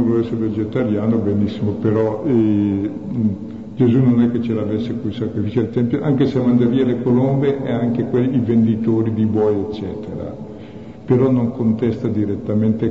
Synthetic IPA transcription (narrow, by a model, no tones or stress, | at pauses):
novlɛsːeɾeved͡ʒet̪aɾjaːnobenisːimopeɾɔɛ | d͡ʒezunonɛkːet͡ʃelavesːekusakɾifit͡ʃed̪elt̪ɛmpjoʔaŋkeseamand̪eɾielekolombeʔɛaŋkekwelivend̪it̪oːɾid̪ibɔjet͡ʃːɛːt̪eɾa̰ | peɾɔnoŋkont̪ɛst̪ad̪iɾet̪ːament̪e